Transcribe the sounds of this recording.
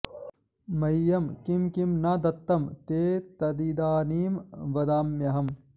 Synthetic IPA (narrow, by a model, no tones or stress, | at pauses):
mɐjːɐmkimkimnɐːd̪ɐt̪ːɐmt̪eːt̪ɐd̪iɖ̪aːniːmʋɐd̪aːmjɐɦɐm